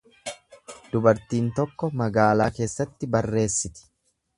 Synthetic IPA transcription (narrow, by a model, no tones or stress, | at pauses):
d̪̥ʊbɐɾt̪iːnt̪ɔkːɔmɐɡaːlaːke̞ːsːɐt̪ːɪbɐrːe̞ːsːɪt̪ɪ̥